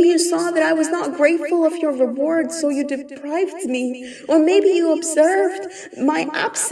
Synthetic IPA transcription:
ijɨsɔðɨɾaɪwʌznət̚ɡ̥ɹeɪtfl̩ˠʌvjə˞ɹɨwɔɹd̥soʊjɨdɨpʰɹ̥aɪvdmi | ʔə˞meɪbijɨəbz̥ɜ˞vd | maɪʔæ̰b̥s

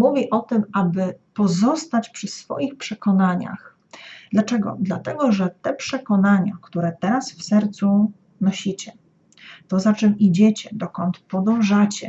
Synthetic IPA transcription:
muvʲiʔɔt̪ɘmabɘpɔzɔst̪at͡ɕpʂɘsfɔ̰jixpʂɛkɔnaɲa̰x | d̪̥lat͡ʂɛɡɔ̰d̪lat̪ɛɡɔʐɛt̪ɛpʂɛkɔnaɲa̰kt̪uɾɛt̪ɛɾasfsɛɾt̪su | nɔɕit͡ɕɛ | t̪ɔzat͡ʂɛwid͡ʑet͡ɕɛd̪ɔkɔnt̪pɔd̪ɔ̃w̃ʐat͡ɕɛ

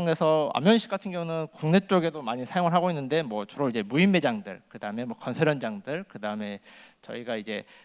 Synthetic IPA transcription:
ŋe̞sʰʌa̰mjʌnɕʰi̥k͈atʰɯnɡjʌŋunɯnkuŋne̞t͡ɕ͈oɡe̞domaɲisʰajoŋɯɭɦaɡoinːɯnde̞mwʌt͡ɕuɾoid͡ʑe̞muimːe̞d͡ʑaŋdɯ̰ɭkɯdaɯme̞mwʌkʌnsʰeɾʌnd͡ʑaŋdɯɭkɯdaɯme̞t͡ɕʌ̰iɡaid͡ʑe̞

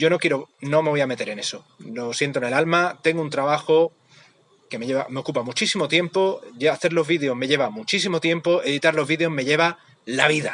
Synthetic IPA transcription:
ɟ͡ʝo̞no̞kjeɾono̞me̞βojame̞t̪e̞ɾe̞ne̞so | losje̞nt̪onelalmat̪e̞ŋɡount̪ɾaβaxo | ke̞me̞ʝe̞βame̞o̞kupamut͡ʃisimo̞t̪je̞mpo̞ʝaθe̞ɾlo̞zβiðeo̞ɦme̞ʝe̞βamut͡ʃis̬imo̞t̪je̞mpo̞e̞ðit̪aɾlo̞zβiðeo̞ɦme̞ʝe̞β̞a | laβ̞iða

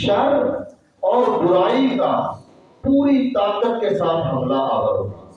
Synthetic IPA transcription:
ʃəɾ | ɔːɾbʊɾaːika | puːɾit̪aːkət̪̚kesaːt̪ʰɦɐmlaʔaːəɾoaː

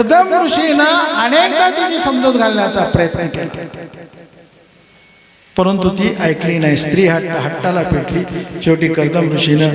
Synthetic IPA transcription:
kəɾd̪ʱəmkɾuʂinaəñek̚d̪at̪it͡ɕiːsəmd͡zod̪ɡʱaleljat͡sapɾəjət̪nək̪ela̰ | pəɾənt̪ut̪iːʔəjkliːnajst̪ɾiːɦaʈːaɦaʈːalapeʈliːt͡ɕeʋʈiːkəɾd̪ʱəmɾuʂinə

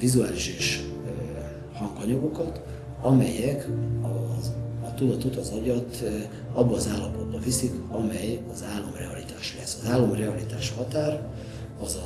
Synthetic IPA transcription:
vizuaːliʃeːʃ | hɒŋkɒɲɒɡo̞kɒt̪ | ɒmɛ̰jɛkɒzt̪ud̪ɒt̪o̞t̪ɒzɒɟɒt̪ | ɒbːɒːzaːlːɒpo̞d̪̚bɒvisikɒmɛjɒzaːlːomrɛɒlit̪aːʃlɛsːɒzaːlːomrɛɒlit̪aːʃhɒt̪aːr | ɒzɒ

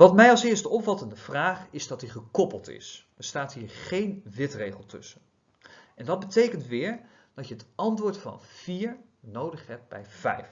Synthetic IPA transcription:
ʋɑtmɛjɑlˠsɪːɹstɔpfɑtəndəv̥raːχɪzdɑtdiχəkɔpəlˠtɪ̰s | əɹstaːtɦiːɹχejnʋɪtrejχəlˠtɵ̰sən | ʔɛndɑd̚bətejkəntʋɪːɹ | d̥ɑcəətɑntʋʊːɹtfɑ̰nv̥iːɹnowdəχɦɛp̚bɛ̰jvɛjf

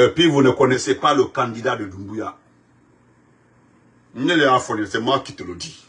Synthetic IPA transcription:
ɛpivunɛkɔnɛsepalokãndidadodumbuja | n̩ɲɛlɛafɔniɛsɛmaki̥tolodi

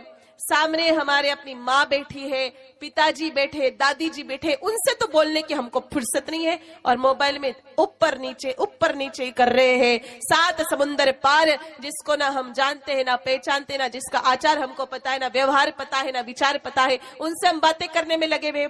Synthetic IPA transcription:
saːmneɦɐmaːɾeɐpnimãbɛːʈʰiɦɛ̃pɪt̪ad͡ʒiːbɛːʈʰed̪aːd̪id͡ʒiːbɛːʈʰeʔʊnset̪oboːlnekiɦɐmkopʰʊɽsɐt̪nɐɦĩɦɛɔːɾmoːbaːɪlmẽʊpːəɾniːt͡ʃeʔʊpːəɾniːt͡ʃekɐɾːɐɦeɦɛ̃ːsaːt̪ʰsɐmʊ̃nd̪əɾpaːɾd͡ʒɪskonaɦɐmd͡ʒaːnt̪eɦɛ̃napɛːt͡ʃaːnt̪eɦɛnad͡ʒɪskaʔaːt͡ʃaːɾɦɐmkopɐt̪aɦɛnaʋjɐʋɦaːɾpɐt̪aɦɛnaʋɪt͡ʃaːɾpɐt̪aɦɛʊnseɦɐmbaːt̪ẽkɐɾnemẽlɐɡebʱe

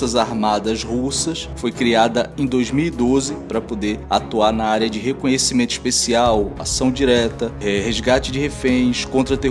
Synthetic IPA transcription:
ɐzaɾmad̪ɐzhusɐsfojkɾiad̪ɐẽj̃d̪ojzmiwid̪ozɪpɾɐpod̪eɾat̪uaɾnɐaɾiɐd͡ʒɪɦekõɲesimẽnt̪ʊi̥ʃpesiawa̰sɐ̃w̃d͡ʒiɾɛt̪ɐɛhezɡat͡ʃɪd͡ʒɪhefẽj̃skõnt̪ɾɐt̪e

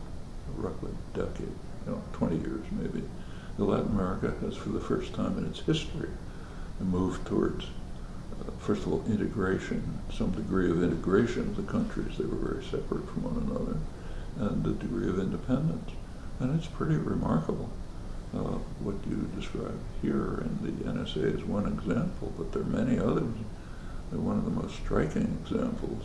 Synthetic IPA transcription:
ɹʌklḭd̥ɛ̰keɪd̚ | jnoʊtʰw̥ɛ̃ɾ̃ijɪ̰ɹz̥meɪbḭ | ðəlæʔnəmɛɹɨkɨɨz̥fə˞ðəfɜ˞stʰãɪ̃mɨ̃nɨtshɪstɹ̥ḭ | muvtʰɔ̰ɹdz̥ | fɜ˞stəvɔ̰lˠʔɪ̃ɾ̃ɨɡɹeɪʃɨ̃nsʌ̃mdɨɡɹiʌvɪ̃ɾ̃ɨɡɹeɪʃɨ̃nʌvðɨkʰʌ̃nt͡ʃɹ̥ḭzðeɪwə̰˞vɛ̰ɹisɛpɹɨtfɹʌ̃mwʌ̰̃nənʌ̰ðə̰˞ | ɨ̃nðɨdɨɡɹiʌvɪ̃ndɨpʰɛ̃ndə̃ns | ɨ̃nɨtspʰɹ̥ɪɾiɹɨmɑ̰ɹkəbl̩ˠ | wʌt͡ʃɨdɨskɹa̰ɪb̚hiɹɪ̰̃nðḭʔɛ̰̃nɛseɪɨzwʌ̃nɨɡzæ̃mpʰl̩ˠbʌt̪̚ðə˞mɛñiʌðə˞z | ðə˞wʌ̃nʌvðəmoʊststɹ̥aɪkɪ̃ŋɨɡz̥æ̰̃mpʰl̩ˠz̥

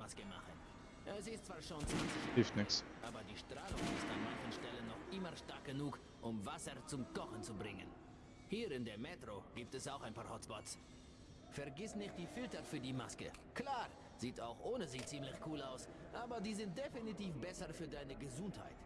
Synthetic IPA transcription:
maskəma̰χən | ʔɛsɪstt͡sv̥aːɐʃoːnt͡sʊhɪftnɪksʔaːbɐdiːʃtʁ̥aːlʊŋɪ̰sta̰nmançən̩ʃtɛlənːɔχʔɪmɐʃtaɐk̚ɡ̥ənuːk | ʔʊmvasɐt͡sʊmkʰɔχn̩t͡subʁɪŋə̰n | hiːʁɪndeːɐmeːtʁ̥oɡ̥iːp̚tɛsaʊxaɪnpaːɐhɔt͡spɔts | fɛɐɡɪsnɪçt̚d̥iːfɪltɐfyːɐdiːma̰skə̰klaːʁ | z̥iːtaʊxʔoːnəziːt͡siːmlɪçkʰuːlaʊs | ʔaːbɐdiːzɪnt̚d̥efinitiːfb̥ɛsɐfyːɐdaɪnəɡəzʊntha̰ɪt

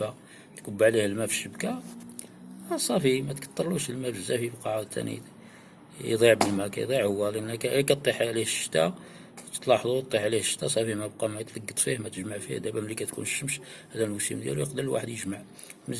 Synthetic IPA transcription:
æ | t̪kəbːʕlihəlmæfiʃəbkæ | æsˤɑfimæt̪kɑ̥t̪ˤːɑɾˤluʃəlmæbəzːæfibqɑʕad̪t̪ʰːæ̰nḭ | jd̪ˤiʕbəlmækæ̰jd̪ˤiʕhʊwːælʔənːkækæt̪ˤːiħʕlihəʃə̥t̪æ | t̪ə̥t̪ˤlɑħd̪ˤut̪ˤːiħʕlihəʃːə̥t̪ːæsˤɑfimæb̚qɑmæt̪ləɡːət̪ˤfihmæt̪əʒmaʕfḭhd̪æbæmlːikæt̪kṵnʃəmʃhæd̪ælmusḭmd̪jæ̰luqd̪əlwa̰ħəd̪jəʒmaʕ | mə

